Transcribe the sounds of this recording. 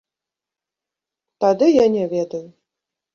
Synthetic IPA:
t̪ad̪ɨjanʲɛvʲɛd̪ɐju

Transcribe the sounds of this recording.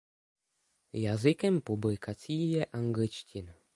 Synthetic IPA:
jazɪkɛmpublɪkat͡siːjɛʔaŋɡlɪt͡ʃcɪn

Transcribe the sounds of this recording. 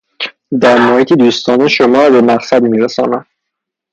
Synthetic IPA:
d̪æɾmoːhiːt̪ʰid̪uːst̪ɒːneʃomɒːɾɒbe̞mæqsæd̪miːɾesɒ̰ːnæm

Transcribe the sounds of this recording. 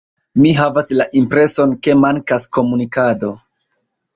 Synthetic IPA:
miɦavaslaʔimpɾe̞so̞nke̞maŋkasko̞munikado̞

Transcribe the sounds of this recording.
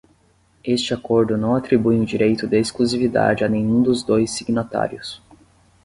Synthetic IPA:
est͡ʃɪakoɾd̪ʊnɐ̃w̃at̪ɾibujʊd͡ʒiɾejt̪ʊd̪aeskluzivid̪a̰d͡ʒɪanẽj̃ũd̪ʊzd̪ojsːiɡnat̪a̰ɾjʊs

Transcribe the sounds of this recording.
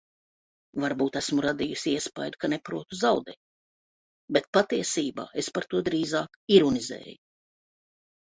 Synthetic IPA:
vaɾbuːt̪æsmuɾad̪ijusʲiiɛspa̰jd̪ukanepɾuɔt̪uzawd̪ɛ̰ː | bet̪̚pat̪iɛsiːba̰ːespaɾt̪uɔd̪ɾiːzaːkiɾɔnizɛ̰ːju

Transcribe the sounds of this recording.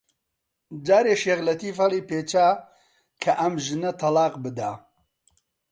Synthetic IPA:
d͡ʒaːɾeːʃeɣlɐt̪iːfɐlˠiːpeːt͡ʃaː | kʰɐʔɐmʒɨnɐt̪ʰɐlɑːqbɨd̪a̰ː

